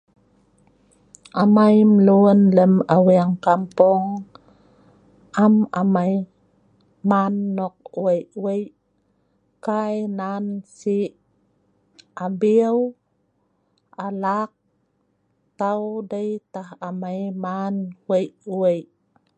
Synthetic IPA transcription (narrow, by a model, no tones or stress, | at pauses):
ʔamajməluənləmawiaŋkampɔŋ | ʔama̰maj | manːɔk̚uwəjʔwəjʔ | kajnansi | abiw | alak̚ | t̪awdəjt̪aɦamajmanwəjʔuwəjʔ